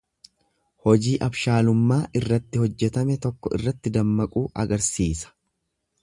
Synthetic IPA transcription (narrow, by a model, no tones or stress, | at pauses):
hɔd͡ʒiːʔɐbʃaːlʊmːaːʔɪrːɐt̪ːɪhɔd͡ʒːɛt̪ɐmɛt̪ɔkːɔɪ̰rːɐt̪ːɪd̪ɐmːɐkʼuːʔɐ̰ɡɐɾsiːsɐ̥